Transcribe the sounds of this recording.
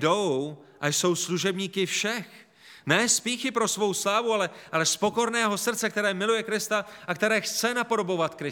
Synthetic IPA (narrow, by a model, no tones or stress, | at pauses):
doww | ʔajso̞wsluʒɛbɲiːkɪfʃɛx | nɛːspiːxɪpɾo̞svo̞wslaːvualɛʔalɛspo̞ko̞ɾnɛːɦo̞sr̩t̪t͡sɛkt̪ɛɾɛːmɪlujɛkɾɪst̪aʔakt̪ɛɾɛːxt͡sɛnapo̞do̞bo̞vat̪kɾɪ